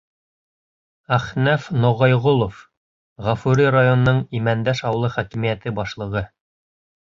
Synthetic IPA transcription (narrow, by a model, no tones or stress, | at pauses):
æχnæfnŏʁɑjʁolˠof | ʁɑfuɾirajon̆nɤɴimænd̪æʃɑwlˠɤχækimijæt̪ɘbɑʃlˠɤ̆ʁɤ